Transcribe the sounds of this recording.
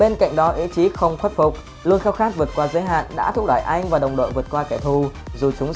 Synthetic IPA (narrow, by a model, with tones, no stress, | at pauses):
e˧nka̰˧˨jŋ̟ɗɔ˨˦ʔi˨˧˥t͡ɕi˨˦xə˧wŋ͡mxwe˦˥t̚fʊ˨˩k͡p̚ | lu˧ənxaː˧wxaː˦˥t̚vɨ˨˩ət̚kwaː˧zəː˨˦jɦa̰ː˧˨nɗa̰ː˧˥t̪ʰʊ˦˥k̚ɗaː˧˩jʔa˧jŋ̟vaː˨˩ɗə˨˩wŋ͡mɗo̰˧˨jvɨ˨˩ət̚kwaː˧kɛ˧˩t̪ʰu˧˩zu˨˩t͡ɕʊ˨˦ŋ͡m